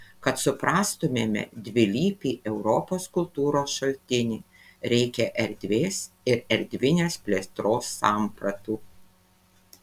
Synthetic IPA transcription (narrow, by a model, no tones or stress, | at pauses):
kɐt̪sʊpɾɑːst̪ʊmʲeːmʲɛ̰d̪ʲʋʲɪlʲiːpʲiːʔɛʊɾɔpoːskʊlˠt̪uːɾoːsʃɐlʲt̪ʲɪnʲiː | ɾʲɛɪkʲɛʔɛɾʲd̪ʲʋʲeːs | ɪɾɛɾʲd̪ʲʋʲɪnʲeːspʲlʲeːst̪ɾoːsːɑˑmpɾɐt̪uː